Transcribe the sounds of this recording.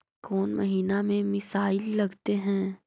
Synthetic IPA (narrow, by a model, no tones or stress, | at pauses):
kɔːnmɐɦiːnamẽmɪsaːɪlːɐɡt̪eɦɛ̃ː